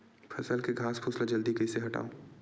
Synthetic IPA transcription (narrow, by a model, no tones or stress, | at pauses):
fʰɐsəlkeɡʱaːspʰʊslad͡ʒɐld̪ikɐɪseɦɐʈa̰ːõ